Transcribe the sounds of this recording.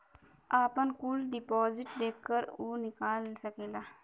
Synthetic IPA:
aːpɐnkuːlɖipoːziʈd̪eːkːɐɾunikaːlsɐkela

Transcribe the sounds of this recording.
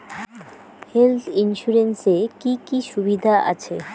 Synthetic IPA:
helt̪ʰinʃuɾensekikiʃubid̪ʱaʔa̰t͡ɕʰe

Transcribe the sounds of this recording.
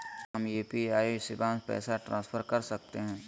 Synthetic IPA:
ɦɐmjeːpiaːisɪbãːnspɛ̰ːsaʈɾãːsfʰəɾkɐɾsɐk̚t̪eɦɛ̃ː

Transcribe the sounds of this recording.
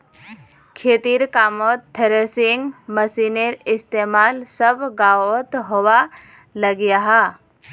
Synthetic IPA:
kʰeːt̪iɾkaːmoːt̪ʰːəɾesɪŋɡməsiːneɾɪst̪eːmaːlsəbɡaːot̪ɦowa | lɐɡjaɦa

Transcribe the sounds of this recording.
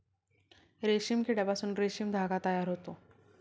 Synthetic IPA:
ɾeɕimkiɖɛpasuːnɾeɕimd̪ʱaɡat̪əjaɾɦot̪o

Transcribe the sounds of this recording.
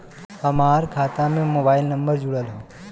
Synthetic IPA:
hɐmaːɾkʰaːt̪amẽmoːbaːɪlnɐ̃mbəɾd͡ʒʊɽəlɦõː

